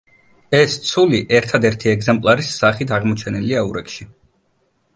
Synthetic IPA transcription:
ɛst̪sʰuliʔɛɾt̪ʰad̪ɛɾt̪ʰiɛɡzɛmpʼlˠaɾisːaχit̪ʰaʁmɔt͡ʃʰɛnɛliauɾɛkʃi

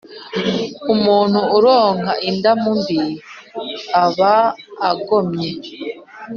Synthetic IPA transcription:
umuːn̥huːɾoːŋɦaʔindamumbiɾ | aβaːɡo̞mɲe

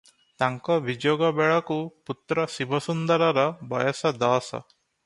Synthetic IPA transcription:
t̪aŋkɔʋid͡ʒjoːɡɔbɛɭɔkuput̪ɾɔsibʱɔsund̪ɐɾɔɾɔbɔjɔsɔd̪aːsɔ̰

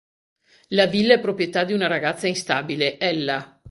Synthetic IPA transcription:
lavilːaɛpːɾopɾjet̪ad̪iunaɾaɡat̪sːainst̪aːbileʔɛlːa

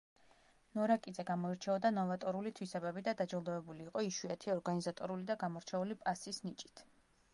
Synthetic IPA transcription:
nɔɾakʼid̪zɛɡamɔiɾt͡ʃʰɛɔd̪anɔvat̪ʼɔɾulit̪ʰwisɛbɛbid̪ad̪ad͡ʒɔlˠd̪ɔɛbuliːqʼɔiʃwiat̪ʰiɔɾɡanizat̪ʼɔɾulid̪aɡamɔɾt͡ʃʰɛulipʼasisnit͡ʃʼi̥t̪ʰ

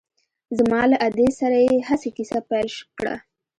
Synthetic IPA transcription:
zmɑlaʔad̪esaɾajehasekisapajlʃkɽa̰

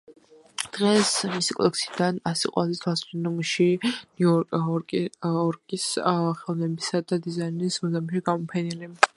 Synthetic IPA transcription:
d̪̥ʁɛsmisikʼɔ̰d̪ɛ̰ksʰid̪anasiqʼwazɛt̪ʰwasinɔmʃinɔ | ɔɾkʼisχɛlˠnɛbisad̪ad̪izainismɔzamiʃiɡamɔpʰɛnili

